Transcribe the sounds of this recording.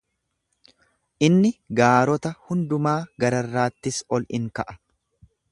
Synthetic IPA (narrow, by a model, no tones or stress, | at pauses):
ʔɪnːɪɡaːɾɔt̪ɐhʊnd̪ʊmaːɡɐɾɐrːaːt̪ːɪsɔlɪŋkɐʔɐ̥